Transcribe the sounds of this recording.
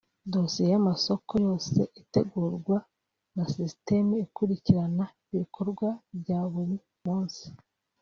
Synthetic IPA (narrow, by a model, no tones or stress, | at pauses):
dosiejamaso̞ko̞jo̞ːse̞̰ʔite̞ɡuːɾɡwa | nasiste̞meikuɾiciɾanaiβikʰo̞ɾɡwabɟaːβuɾi | muːnsi̥